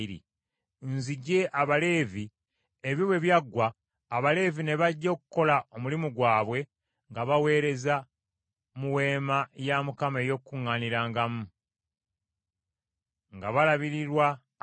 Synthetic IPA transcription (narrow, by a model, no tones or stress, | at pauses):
ɾḭ | nziɟe̞ʔaβale̞ːvi | eβjoβwe̞βjaɡːwaː | βale̞ːvine̞βaɟːo̞ːku̥kːo̞lao̞mulimuɡwaːβwe̞ | ŋɡaβawe̞ːɾe̞za | muwe̞ːmajamukame̞jo̞kːuŋːaːniɾaːŋɡamu | ŋɡaβalaβiɾiɾwa